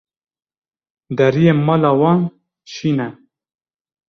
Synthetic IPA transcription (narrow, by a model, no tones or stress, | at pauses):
d̪ɛɾijeːmɑːlɑːwɑːn | ʃiːnɛ